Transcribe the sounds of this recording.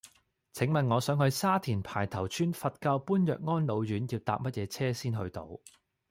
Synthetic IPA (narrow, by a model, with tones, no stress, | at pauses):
t͡sʰɪ˨˥ŋmɐ˨nŋɔː˨˧sœː˨˥ŋhɵ˧ɥsaː˥t̪ʰiː˨˩npʰaː˨˩jt̪ʰɐ˨˩wt͡ʃʰyː˥nfɐ˨t̚kaː˧wpuː˥njœː˨k̚ŋɔː˥nlo˨˧wjyː˨˥njiː˧wt̪a̰ː˨p̚mɐ˥t̚jɛː˨˧t͡sʰɛː˥siː˥nɦɵ˧ɥt̪o̰˨˧w